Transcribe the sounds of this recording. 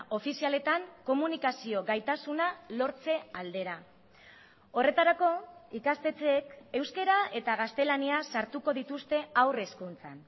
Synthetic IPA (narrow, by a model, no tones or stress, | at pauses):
ʔo̞fisiale̞t̪aŋko̞munikasio̞ɣajt̪asunalo̞ɾt͡se̞ald̪e̞ɾa | o̞re̞t̪aɾako̞ikast̪e̞t͡seːke̞wske̞ɾae̞t̪aɣ̞ast̪e̞laniasaɾt̪uko̞ðit̪ust̪e̞awre̞skunt͡san